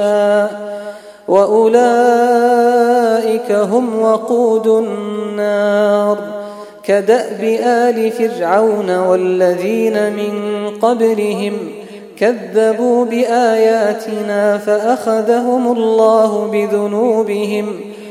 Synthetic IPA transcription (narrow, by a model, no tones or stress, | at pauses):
aː | waʔʊlaː | ʔɪkaɦʊmwɑquːd̪ʊnːɑːɾˤ | kad̪aʔbɪʔaːlɪfɪrʕawnawalːaðiːnamɪnqɑblɪɦɪm | kaðːabuːbɪʔaːjaːt̪ʰɪnaːfaʔaxaðaɦʊmʊlːɑːɦʊbɪðʊnuːbɪɦɪm